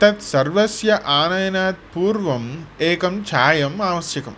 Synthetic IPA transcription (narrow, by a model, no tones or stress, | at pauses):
t̪ɐt̪sɐrʋɐsjɐʔaːnajɐnaːt̪̚puːɾʋɐmeːkɐmt͡ʃʰaːjɐmaːʋɐsjɐkɐ̰m